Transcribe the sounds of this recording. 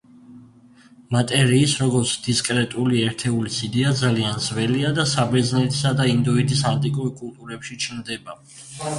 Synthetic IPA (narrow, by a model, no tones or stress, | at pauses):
mat̪ʼɛɾiːsɾɔɡɔɾt̪sʰd̪̥iskʼɾɛt̪ʼuliɛɾt̪ʰɛulisid̪ɛad̪zalianzvɛliad̪asabɛznɛt̪ʰi̥sad̪aind̪uid̪isant̪ʼikʼuɾkʼult̪ʼuɾɛpʃit͡ʃʰnd̪ɛba